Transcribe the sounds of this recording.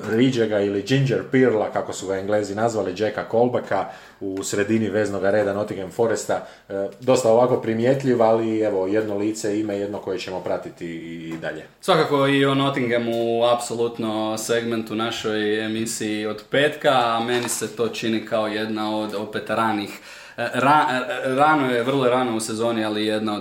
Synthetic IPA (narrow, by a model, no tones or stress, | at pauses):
ɾid͡ʒeɡailid͡ʒind͡ʒeɾpiɾlakakosuɡaeŋɡle̞ːzinazʋalid͡ʒekako̞lˠbakʰa | usɾe̞d̪iniʋe̞ːzno̞ɡaɾeːd̪ano̞t̪iŋɡemfo̞ɾest̪a | d̪o̞st̪ao̞ʋako̞pɾimjet̪ʎiʋalie̞ʋo̞je̞d̪noliːt̪seimeje̞d̪noko̞jet͡ɕemo̞pɾat̪it̪iːd̪a̰ʎesʋakako̞iono̞t̪iŋɡemuapso̞lˠut̪nose̞ɡment̪unaʃo̞jemisiio̞d̪pe̞ːt̪kaːme̞nise̞t̪o̞ːt͡ʃinikʰao̞je̞d̪nao̞d̪o̞pe̞t̪ɾaːnix | ɾaɾaːnojeʋər̩lˠoɾaːnouse̞zo̞ːnialije̞d̪nao